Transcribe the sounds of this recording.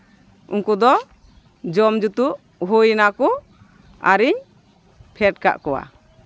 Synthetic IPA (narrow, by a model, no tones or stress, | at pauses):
unkud̪ɔ | d͡ʒɔmd͡ʒut̪uʔ | ɦujnakɔ | a̰ɾiɲ | pʰɛʈ̚ka̰ʔkɔwa̰